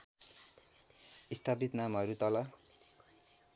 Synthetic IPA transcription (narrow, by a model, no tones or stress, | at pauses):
ist̪ʰapit̪namɦʌɾut̪ʌlʌ